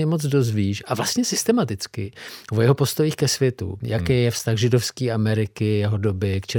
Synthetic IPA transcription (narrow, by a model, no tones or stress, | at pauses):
ɛmo̞t͡sdo̞zviːʃʔavlast̪ɲɛsɪst̪ɛmat̪ɪt͡skɪvojɛɦo̞po̞st̪o̞jiːxkɛsvjɛt̪ṵjʔakɛːjɛfst̪axʒɪdo̞fskiːʔamɛɾɪkɪjɛɦo̞dobɪkt͡ʃɛ